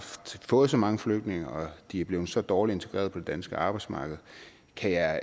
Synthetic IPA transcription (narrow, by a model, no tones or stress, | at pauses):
fd̥fɔ̽ːð̞̩ˠsɒ̽mɑ̈ŋəfløɡ̥̚d̥ne̝ŋɐɒ̽d̥iæɐb̥le̝ːʊð̩ˠsɒ̽d̥ɒːlie̝nt͡sʰe̝ɡ̥ʁɛ̰ɐðˠpɒ̽d̥e̝d̥ænsɡ̥əɑ̈ːb̥ɑ̈ɪdsmɑ̈ːɡ̥ð̞̩ˠ | kʰæjɑɪ